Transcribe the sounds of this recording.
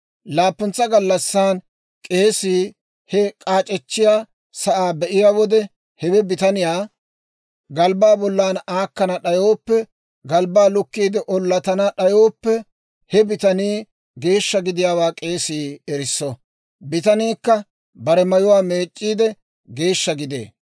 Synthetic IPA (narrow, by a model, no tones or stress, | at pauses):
laːpːʊnt͡sːɐɡɐlːɐsːaːn | kʼe̞ːsiː | hɛkʼaːt͡ʃʼɛt͡ʃːɪjaː | sɐʔaːbɛʔɪjaːwɔd̪ɛ | hɛbɛbɪt̪ɐnɪjaː | ɡɐlbaːbɔlːaːnaːkːɐnɐɗɐjoːpːɛ | ɡɐlbaːlʊkːiːd̪ɪʔɔlːɐt̪ɐnɐɗɐjo̞ːpːɛ | hɛbɪt̪ɐniː | ɡe̞ːʃːɐɡɪd̪ɪjaːwaːkʼe̞ːsiːɛɾɪsːɔ | bɪt̪ɐniːkːɐ | bɐɾɛmɐjʊwaːme̞ːt͡ʃʼːiːd̪ɛ | ɡe̞ːʃːɐɡɪd̪ḛː